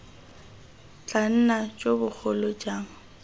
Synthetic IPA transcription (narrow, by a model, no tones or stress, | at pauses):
t͡ɬʼan̩nat͡ʃʼobʊk͡xʰʊlɔt͡ʃʼaːŋ̩